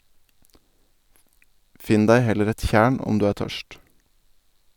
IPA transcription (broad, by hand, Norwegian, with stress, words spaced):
ˈfɪn ˈdæɪ ˈhɛləɾ ˈɛt ˈçæːɳ ˈɔm ˈdʉː ˈæːɾ ˈtœʃt